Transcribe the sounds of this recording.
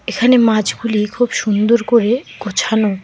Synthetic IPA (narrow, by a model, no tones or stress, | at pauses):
ekʰanemãd͡ʑɡulikʰubʃund̪oɾkoɾeɡ̥ot͡ɕʰano